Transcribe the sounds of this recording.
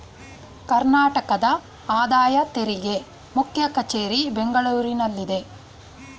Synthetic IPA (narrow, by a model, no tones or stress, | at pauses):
kɐɾnaːʈɐkɐd̪ɐ | aːd̪aːjɐt̪eɾiɡe̞ | mukʰjɐkɐt͡ʃeːɾibeŋɡɐɭuːɾinɐlːid̪e̞